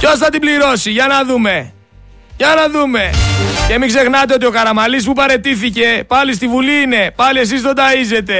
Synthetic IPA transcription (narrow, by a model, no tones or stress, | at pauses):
co̞sθɐt̪ibliɾo̞siʝɐnɐðume̞ | ʝɐnɐðume̞ce̞mikse̞xnɐt̪̬e̞o̞t̪io̞kɐɾɐmɐlis̬pupɐɾe̞t̪iθice̞pɐlis̬t̪ivuliine̞pɐlie̞s̬izðod̪ɐize̞t̪e̞